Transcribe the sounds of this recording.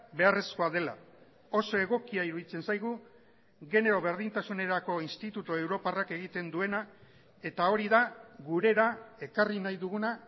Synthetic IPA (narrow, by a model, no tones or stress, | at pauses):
be̞are̞sko̞aðe̞la̰ | o̞so̞e̞ɣ̞o̞kiaiɾuðit͡se̞nsajɣ̞u | ɣe̞ne̞ɾo̞βe̞ɾð̞int̪asune̞ɾako̞inst̪it̪ut̪ue̞wɾo̞parake̞ɣ̞it̪e̞nd̪ue̞na | e̞t̪ao̞ɾiðaɣuɾe̞ɾae̞karinajðuɣuna